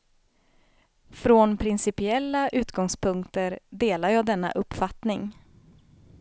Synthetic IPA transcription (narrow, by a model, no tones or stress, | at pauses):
fɾonpʰɾɪnsɪpɪɛlːaʔʉ̟ːt̪ɡɔŋspʰɵŋkt̪əɾd̪eːlaɾjɑːd̪ɛnːa̰ʔɵpːfat̪nɪŋ